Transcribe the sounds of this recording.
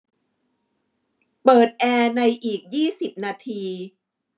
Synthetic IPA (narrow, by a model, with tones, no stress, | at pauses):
pɤː˨˩t̪̚ʔɛː˧na˧jʔiː˨˩k̚jiː˥˩si˨˩p̚naː˧t̪ʰiː˧